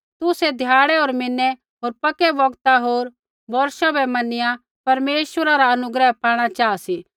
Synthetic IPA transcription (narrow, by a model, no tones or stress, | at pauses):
t̪ʊsɛd̪ʱjaːɽɛɦoːɾmɪnːɛ | ɦoːɾpɐkɛbɐɡt̪aɦoːɾ | bɔɾʃabɛmɐnɪjã | pɐɾmeːʃwəɾaɾaɐnʊɡɾɛɦpʰaːɽ̃at͡ʃaːasi